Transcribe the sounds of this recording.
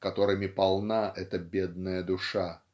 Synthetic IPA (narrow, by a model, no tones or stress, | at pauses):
kɐt̪o̞ɾɨmʲɪpɐlˠnaʔɛt̪əbʲed̪̚nəjəd̪ʊʂa